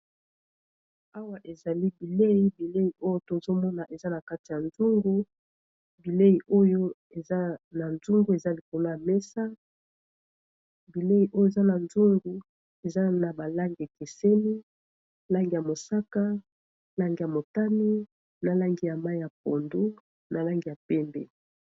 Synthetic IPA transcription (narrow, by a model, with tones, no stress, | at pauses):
a˦wa˦ʔe˨za˨li˦bi˨le˦ji˦bi˨le˦ji˨ʔo˦jo˦to˨zo˦mɔ˦na˨ʔe˨za˦na˨ka˦ti˨ja˨nzu˦ŋɡu˦ | bi˨le˦ji˨ʔo˦jo˦ | e˨za˦na˨nzu˦ŋɡu˦e˨za˦li˨ko˨lo˦ja˨me˦sa˦ | bi˨le˦ji˨ʔo˦jo˦e˨za˦na˨nzu˦ŋɡu˨ | e˨za˦na˨ba˨la˦ŋɡi˨e˨ke˨se˦ni˦ | la˦ŋɡi˨ja˨mo˨sa˦ka˦ | la˦ŋɡi˨ja˨mo˨ta˦mi˦ | na˨la˦ŋɡi˨ja˨ma˦i˦ja˨p̚o˨ndu˦ | na˨la˦ŋɡi˨ja˨pɛ˦mbḛ˨